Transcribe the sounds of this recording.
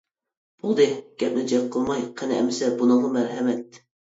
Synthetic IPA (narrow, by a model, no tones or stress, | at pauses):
b̥ulˠd̪ɨɡ̥ʲɛp̚nɪd͡ʒɛk̚qʰːəlˠmɑjqʰɛnɪɛ̰mɪsɛbunɨŋʁɑmæɾɦɛmɛt̪̚